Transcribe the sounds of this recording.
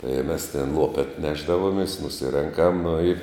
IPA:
ɪ mʲɛs tʲɛn ˈlˠoːpʲɛt ˈnʲæːʒdɐʋoːmʲeːs nʊˈsʲɪrʲɛŋkɐm nʊ ɪ

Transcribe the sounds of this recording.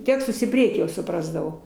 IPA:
ˈtʲæːkstʊs iː ˈpʲrʲiɛkʲiː jɛʊ sʊˈprɑːzdɐʋɐʊ

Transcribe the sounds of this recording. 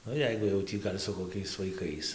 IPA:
ˈnʊ ˈjɛɪɡʊ jɛʊ ˈtʲiː ˈɡɐlʲ sʊ koːˈkʲɛɪs ʋɐɪˈkɐɪs

